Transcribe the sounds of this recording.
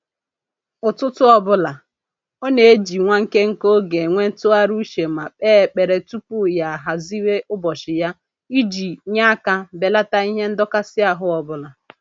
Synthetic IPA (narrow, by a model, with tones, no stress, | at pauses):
ʊ˨tʊ˦tʊ˦ɔ˨bʊ˦la˨ | ɔ˦ne˨e˦d͡ʒi˨ŋʷa˦ŋ̩˦ke˦ŋ̩˦ko˦ɡe˨ŋʷe˦n̩˦tʊ˦a˦ɾu˦ʃe˨ma˨k͡peː˦˨k͡pe˨ɾe˨tu˦pu˦ja˨a˨ɦa˨zi˦we˦ʊ˦bɔ˨ʃɪ˨ja˦ | i˦d͡ʒi˨ɲa˦a˦ka˦be˨la˦ta˦i˦ɦe˦n̩˦dɔ˦ka˦sɪ˦a˨ɦʊ˦ɔ˨bʊ˦la˨